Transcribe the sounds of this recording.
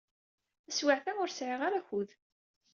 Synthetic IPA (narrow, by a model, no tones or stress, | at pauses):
æswaʕθæʊɾsʕiʁaɾæçuð